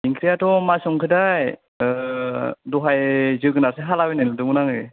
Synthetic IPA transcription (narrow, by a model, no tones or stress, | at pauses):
iŋkʰɾijatɔmasɔŋkʰɯdaj | dɔɦajzɯɡɯnaseɦalawenanadɯmɯnaŋɯj